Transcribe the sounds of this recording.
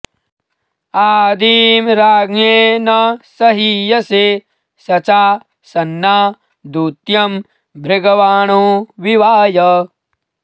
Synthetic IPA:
aːd̪iːmɾaːɡneːnɐsɐɦijɐse | sɐt͡ʃaː | sɐnːaː | d̪uːt̪jɐm | bʱɾeɡɐʋaːɳoːʋiʋaːjɐ

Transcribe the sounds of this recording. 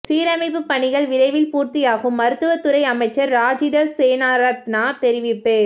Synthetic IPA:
siːɾɐmɐɪpːɯpːɐɳɪɣɐɭʋɪɾɐɪʋɪlpuːɾt̪ɪjaːɣɯmːɐɾɯt̪ːɯʋɐt̪ːɯɾɐɪɐmɐɪt͡ʃːɐɾːaːd͡ʒɪðɐɾseːnaːɾɐt̪naːt̪ɛɾɪʋɪpːeː

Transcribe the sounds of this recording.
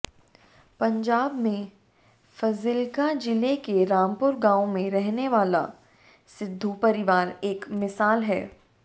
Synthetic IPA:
pɐ̃ɲd͡ʒaːbmẽ | fɐzɪlkad͡ʒɪlekeɾaːmpʊɾɡãːomẽɾɛɦneʋaːla̰ | sɪd̪ʱːupɐɾɪʋaːɾeːkmɪsaːlɦɛ̰ː

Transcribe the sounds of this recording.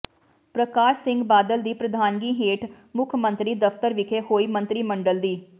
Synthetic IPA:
pɾəkaːʃsɪ̃ŋɡbaːd̪əld̪iːpɾəd̪ʱaːnɡiːɦeːʈ | mʊkʰmə̃nt̪ɾiːd̪əft̪əɾʋɪkʰeːhoːiːmə̃nt̪ɾiːməɳɖəld̪iː

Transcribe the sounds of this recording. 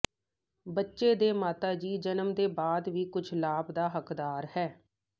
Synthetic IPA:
bətːʃeːd̪eːmaːt̪aːd͡ʒiːd͡ʒənəmd̪eːbaːd̪ʋiːkʊt͡ʃʰlaːbd̪aːɦəkd̪aːɾhɛː

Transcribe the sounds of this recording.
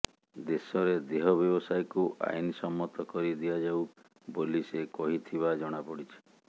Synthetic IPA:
d̪esɔɾed̪eɦɔbjɔbɔsajkuʔa̰inisɔmːɔt̪ɔkɔɾid̪iad͡ʒaw | bolisekɔɦit̪ʰiβad͡ʒɔɽ̃apɔɽit͡ʃʰi̥

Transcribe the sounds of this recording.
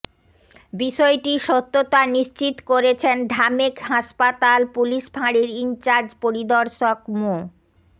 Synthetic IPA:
biʃɔeʈiʃot̪ːot̪aniʃt͡ɕit̪koɾet͡ɕʰenɖʱamekɦaʃpat̪alpuliʃbʱaɽiɾint͡ɕaɾd͡ʑpoɾid̪ɔɾʃokmo

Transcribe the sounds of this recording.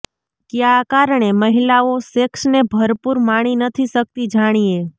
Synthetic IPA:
keakaɾəɳ̃eməɦilaoseksnebʱəɾpuɾmaɽ̃inət̪ʰiʃək̚t̪id͡ʒaɽ̃ie

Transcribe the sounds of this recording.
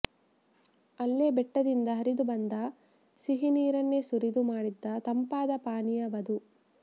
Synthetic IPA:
ɐlːebɛʈːɐd̪ind̪ɐɦɐɾid̪ubɐnd̪ɐ | siɦiniːɾɐnːe̞suɾid̪umaːɽid̪ːɐt̪ɐmpaːd̪ɐpaːnijɐʋɐd̪u

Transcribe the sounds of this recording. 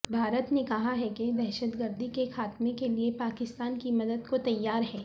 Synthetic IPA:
bʱaːɾət̪nekɐɦaɦɛked̪ɛːʃət̪ɡəɾd̪ʱikexaːt̪mekeliepaːkɪst̪aːnkimɐd̪əd̪kot̪ɐjːaːɾɦɛː

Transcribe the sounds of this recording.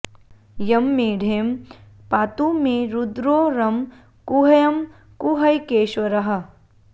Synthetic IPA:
jɐmːeːɖʱeːm | paːt̪umẽɾud̪ɾoːɾɐm | kuɦɐjɐm | kuɦɐjkeːʃwɐɾɐɦɐ̆

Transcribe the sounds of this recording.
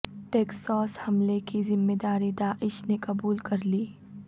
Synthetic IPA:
ʈeːksɔːshɐmlekizɪmːeːd̪aːɾid̪aːʔɪʃnekɐbuːlkɐɾliː

